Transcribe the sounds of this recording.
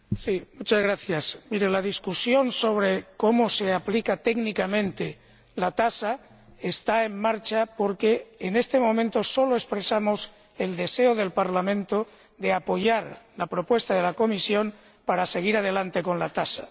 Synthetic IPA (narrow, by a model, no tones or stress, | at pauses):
simut͡ʃazɣ̞ɾaθjasmiɾelaðiskusjo̞nso̞β̞ɾe̞ko̞mose̞aplikat̪eɡnikamẽ̞nt̪e̞ | lat̪asa | est̪ae̞ŋmaɾt͡ʃapo̞ɾke̞ːne̞st̪e̞mõ̞mẽnt̪o̞so̞loe̞spɾesamo̞s | e̞ld̪e̞se̞oðe̞lpaɾlamẽ̞nt̪o̞ | dðe̞apo̞ʝaɾlapɾo̞pwest̪aðe̞lako̞misjo̞n | paɾase̞ɣ̞iɾað̞e̞lant̪e̞ko̞nlat̪asḁ